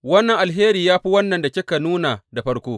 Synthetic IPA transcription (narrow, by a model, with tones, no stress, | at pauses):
wɐ˦nːɐ˨ŋʔa˨lɦeː˦ɾiː˨jaː˦ɸi˦wɐ˦nːɐ˨nda˨kʲɪ˦ka˨nuː˦na˨da˨ɸɐ˦ɽkʷoː˦